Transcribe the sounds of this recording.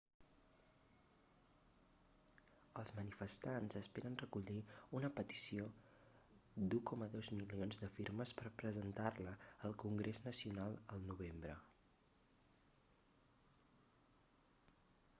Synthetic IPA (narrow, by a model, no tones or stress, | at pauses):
əlˠzmənifəst̪anzəspeɾənrəkuʎiunəpət̪i̥sio | d̪ukɔməðɔwzmilionzðəfiɾməspəɾpɾəzənt̪arləəlˠkuŋɡɾeznəsiunalˠəlˠnuβ̞embɾə